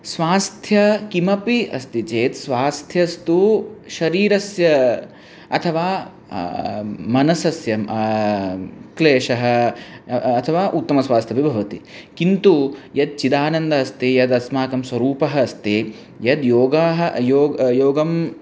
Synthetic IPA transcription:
sʋaːst̪ʰjɐkimɐpiɐ̰st̪it͡ʃeːt̪sʋaːst̪ʰjɐst̪uʃɐɾiːɾɐsjɐ | ɐt̪ʰɐʋaː | mɐnɐsɐsjɐ | kleːʃɐɦɐ̆ː | t̪ʰɐʋaːʔut̪ːɐmɐsʋaːst̪ʰjɐbibʱɐʋɐt̪ikint̪ujɐd̪̚t͡ʃid̪aːnɐnd̪ɐɐst̪ijɐd̪ɐsmaːkɐmswɐɾuːpɐɦɐːst̪e | jɐd̪joːɡaːɦɐjoːɡjoːɡɐm

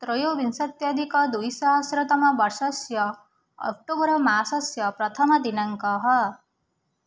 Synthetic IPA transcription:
t̪ɾɔjobinsʌt̪jʌd̪ʱikɔd̪ujsɔɦɔsɾɔt̪ɔmɔbɔɾsɔsjɔ | ɔ̰k̚ʈobɔɾɔmasɔsjɔpɾɔt̪ʰɔmɔd̪inaŋkɔɦɔ

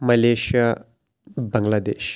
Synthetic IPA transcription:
mɐleʃija | bɐŋlad̪ḛʃ

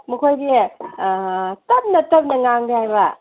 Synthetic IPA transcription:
mukʰojdi | tɐp̚nɐtɐp̚nɐŋaŋdihajβɐ

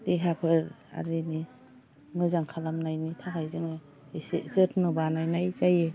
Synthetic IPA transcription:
deɦapʰɯɾ | a̰ɾini | mɯzaŋkʰalamnajnitʰaɦʰajzɯŋɯ | szɯtʰnɔbanajnajzaje

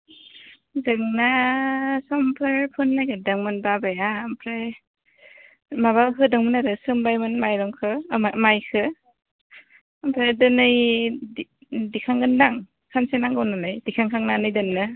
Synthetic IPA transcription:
zɯŋna | sɔmpʰɯɾpʰɯnːajɡɯdɯŋmɯnbabajampʰɾe | maβakʰɯdɯŋmɯnaɾɯsɯmbajmɯnmajɾɔŋkʰɯamajkʰɯ | mpʰɾedɯnɯj | dikʰaŋɡɯndaŋ | kʰansenaŋɡɯwnɯnɯjdikʰaŋkʰaŋnanɯjdɯnːɯ

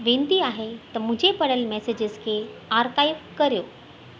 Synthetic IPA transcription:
ʋẽːnd̪iaːɦet̪ɐmʊ̃ɦd͡ʑepɐɽ̤əlmɛːsed͡ʑɪzkʰeːaːɾkaːjɪpkɐɾijoː

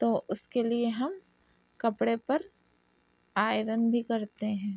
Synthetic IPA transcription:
t̪oːʔʊskelieɦɐm | kɐpɽepɐɾ | aːɪɾənbʱikɐɾt̪eɦɛ̃ː

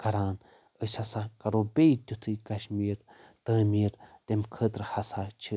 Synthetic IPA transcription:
kʰɐɾaːn | əsʲhɐsakɐɾobeit̪ʲut̪ʰɨkɐʃmiːɾt̪əːmiːɾt̪emkʰəːt̪ɾɨhɐsat͡ʃʰi

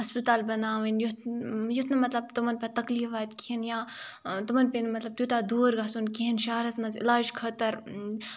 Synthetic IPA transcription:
ɦɐspit̪aːlbɐnaːʋɐnjut̪jut̪ʰnɨmɐt̪lɐb̚t̪umɐnpɐt̪ɐkliːfaːt̪kiɦinjãːt̪umɐnpenmɐt̪lɐb̚t̪juːt̪aːd̪uːɾɡaːsunkiɦinʃaːɾɐsmɐnzɪ̰laːd͡ʒkʰɐt̪ɐɾ

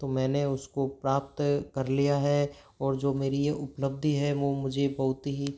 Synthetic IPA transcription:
t̪omɛ̃ːneʊskopɾaːp̚t̪kɐɾlijaɦɛ | ɔːɾd͡ʒoːmeːɾieʊpləb̚d̪ʱiɦɛʋomʊd͡ʒʱebɐɦʊt̪ɦi

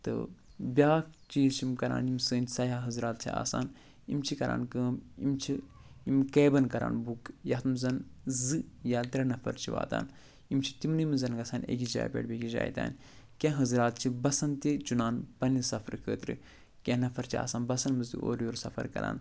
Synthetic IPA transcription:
t̪ɨ̰bʲaːt͡ʃiːzt͡ʃʰimkɐɾa̰ːnimsəːnʲsɐjaɦɐzɾaːt̪̚t͡ʃʰia̰ːsaːn | imt͡ʃʰikɐɾʔa̰ːnkəːmimt͡ʃʰiimkeːbɐnkɐɾa̰ːnbukjɐt̪mzɐnzɨjaːt̪ɾɐnɐfʰɐ̰ɾt͡ʃʰiʋa̰ːt̪a̰ːn | imt͡ʃʰi̥t̪imnɨmizɐnɡɐsaːnḛɡʲid͡ʒa̰ːjpʲḛːɽbʲeɡʲid͡ʒa̰ːjt̪ʲa̰ːn | kʲẽːɦɐzɾaːt̪̚t͡ʃʰibɐsɐnt̪it͡ʃunaːnpɐnisɐfʰɐɾkʰəːt̪ɾɨ̰ | kʲẽːnɐfʰɐɾt͡ʃʰia̰ːsaːnbɐsɐnmɨzt̪ḭo̰ːɾjoːɾsɐfʰɐ̰ɾkɐ̰ɾa̰ːn

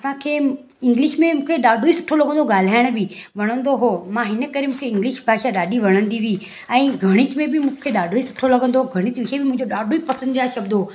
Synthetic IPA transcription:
ɐsãkʰeː | ɪ̃ŋɡlɪʃmẽmũːkʰeɗaːɖʱoisʊʈʰolɐɡʱə̃nd̪oɠaːl̤aːɪɽ̃bɪʋɐɽ̃ə̃nd̪oɦomãɦɪnə̆kɐɾemũːkʰeɪ̃ŋɡlɪʃbʱaːʃaɗaːɖiʋɐɽ̃ə̃nd̪iɾi | ɛ̃ːɡʱɐɽ̃ɪt͡ɕmẽbɪmũːkʰeɗaːɖʱoisʊ̥ʈʰolɐɡʱə̃nd̪oɡʱɐɽ̃ɪt͡ɕʋɪʃebɪmʊ̃ɦɪ̃ɲd͡ʑoɗaːɖʱoipɐsə̃nd̪ijaːʃɐbd̪ooː

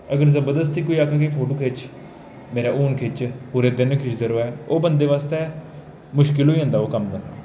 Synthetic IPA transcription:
əɡəɾzəbəɾd̪əs̬t̪iːkoːiːakʰaːk̬əiːpʰoːʈoːkʰeːt͡ʃ | meːɾaːʔuːnkʰeːt͡ʃpuːɾeːd̪ɪnkʰɪʃzəɾoːɛːoːbə̃nd̪eːʋaːst̪eː | mʊʃkɪlɦoːiːɦə̃nd̪aːoːkəmkəna̰ː

